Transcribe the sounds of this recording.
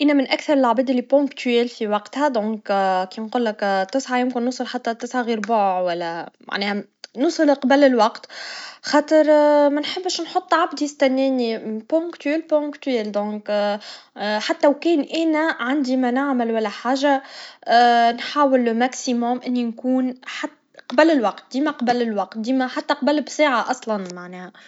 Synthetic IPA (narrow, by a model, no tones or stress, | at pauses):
ʔænːæmɪnʔækθɑɾˤəlʕabɛːd̪ɪlːipõkt̪yɛlfiwɑqt̪hæd̪ɔ̃ːkkinqʊlːɪkt̪ːɪsʕajɪmkɪnːusˤɨlħat̪ːæt̪ːɪsʕaɣiːɾbʊʕʕwælːæma̰ʕnɛːhæ | nʊsˤɨlqɑbælɪlwɑqt̪xɑːt̪ˤəɾˤmænħəbːʃnħot̪ˤːʕab̚d̪ijɪst̪ænːɛːnipõkt̪yɛlpõkt̪yɛld̪ɔ̃ːk | ħat̪ːæwkɛːnʔænæʕand̪imænaʕməlwælːæħaːʒa | nħaːwɪlːmæksimʊmʔɪnːinkuːnħat̪ | qɑbælːɪlwɑqt̪̚d̪iːmæqɑbəlːɪlwɑq̚t̪̚d̪iːmæħat̪ːæqɑbælːbsaːʕaʔɑsˤlɑnmaʕnɛːhæ